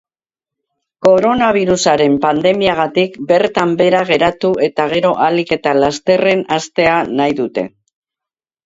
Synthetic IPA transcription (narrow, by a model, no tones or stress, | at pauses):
ko̞ɾo̞naβ̞iɾusaɾe̞mpand̪e̞miaɣ̞at̪ikbe̞ɾt̪ambe̞ɾaɣ̞e̞ɾat̪ue̞t̪aɣ̞e̞ɾo̞ʔalike̞t̪alast̪e̞re̞nast̪e̞anajðut̪e̞̰